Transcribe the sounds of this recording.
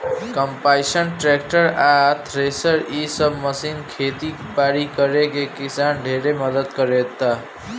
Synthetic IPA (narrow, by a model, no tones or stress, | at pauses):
kʌmpajsənʈɾekʈəɾat̪ʰɾesʌɾisʌbmʌsinkʰet̪i | paɾikʌɾekekisanɖʱeɾemʌd̪əd̪kʌɾet̪ːʌ